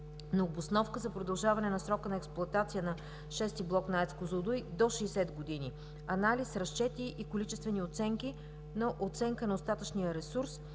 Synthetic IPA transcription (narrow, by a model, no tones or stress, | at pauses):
nɐobosnɔfkəzɐpɾod̪ɐlˠʒavɐnɛnɐsɾɔkənɐɛksplˠʊɐt̪at̪sijənɐ | ʃɛst̪iblˠɔknaɛt̪skozod̪ujd̪oʃɛːsɛd̪ɡod̪ini | ɐnalisɾɐst͡ʃɛt̪iʔikolit͡ʃɛst̪vɛniot̪sɛŋki | nɐʔot̪sɛŋkənɐost̪at̪ət͡ʃnijəɾɛsuɾs